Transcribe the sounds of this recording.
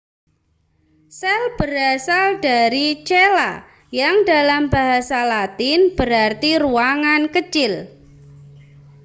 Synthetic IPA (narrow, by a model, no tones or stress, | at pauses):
sɛlb̥əɾasaldaɾit͡ʃela̰ | jaŋdalambaɦasalat̪ɪnb̥əɾart̪iruaŋankət͡ʃɪl